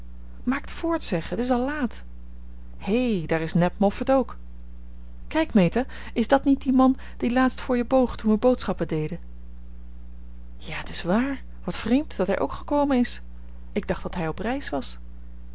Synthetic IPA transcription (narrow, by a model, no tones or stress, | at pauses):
maːktfʊːɹtsɛχəətɪs̬ɑlˠlaːt | hejdaːɹɪsnɛpmɔfətowk | kɛjkmejta | ɪzdɑtnit̚dimɑn | d̥ilaːtstfʊːɹjəbowχtunʋəbowtsχɑpədejdə | jaːətɪsʋaːɹ | ʋɑtfrejmtd̥ɑtɦɛjʔo̰wkχəkowmənɪs | ɪɡ̚dɑχd̥ɑtɦɛjɔprɛjsʋɑs